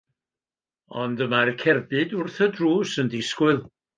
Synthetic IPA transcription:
ɔndəmarkʰɛrbɨdʊrθədruːsəndɪskwɨlˠ

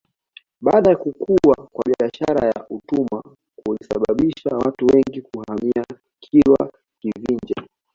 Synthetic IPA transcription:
ɓaːɗajakukuwakwaɓiaʃaɾajaʔutuma | kulisa̰ɓaɓiʃawatuwɛŋɡikuhamia | kʰilwa̰ | kiviɲd͡ʒɛ̰

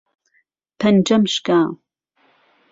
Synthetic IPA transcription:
pʰɐnd͡ʒɐmʃkaː

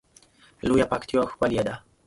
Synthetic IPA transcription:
lujapakt̪jɔxwaljɛd̪a

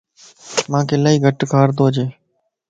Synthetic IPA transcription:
mãːkʰeːlaːiːɡʱəʈkʰaːɾt̪oːd͡ʒeː

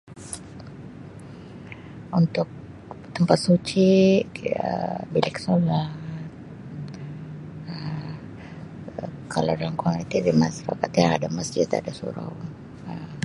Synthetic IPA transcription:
unt̪ʊk̚ | t̪əmpat̪̚sut͡ʃi | ə̰bilɪksolat̪̚ | ə | kʰalawdalamkanit̪idimasfakat̪jaŋadaməsd͡ʒɪt̪a̰dasṵɾa̰w | ə

